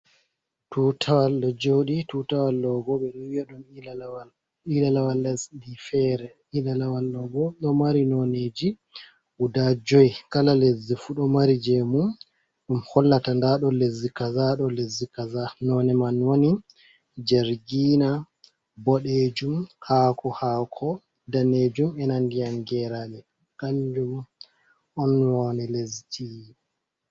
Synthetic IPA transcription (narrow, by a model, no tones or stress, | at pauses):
tutʰawalːɔd͡ʒoɗituːtawalːɔɡɔɓɛɗuɔwiaɗumw | ilalawalːɛsdifɛɾɛ | ilalawalːɔɡɔɗɔmaɾinɔneːd͡ʒi | ʔudad͡ʒɔjkalalezːifuɗɔmaɾid͡ʒemum | ɗumhɔlːatandaɗɔlezikazaɗɔlezikazanɔnɛmanwoni | d͡ʒɛɾɡiːna | bɔɗed͡ʒumhaːkɔhaːkʰɔ | daneːd͡ʒumɛnandijaŋɡɛɾalɛ | kaɲd͡ʒum | ɔnwɔnɛleziti